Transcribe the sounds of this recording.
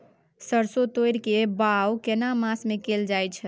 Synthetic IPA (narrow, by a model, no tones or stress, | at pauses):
səɾsot̪ojɾkebawkenamãsmekeld͡ʒajt͡ʃʰ